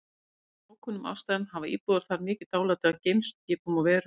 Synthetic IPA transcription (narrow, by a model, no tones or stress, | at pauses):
aːwkʰɔnʏmʔa̰wst̪aðnhavaḭːpuðaɾ̥θaɾmɪːcɪt̪aːwlaːt̪ʏaðcejmscɪːpɔmavɛːɾʏ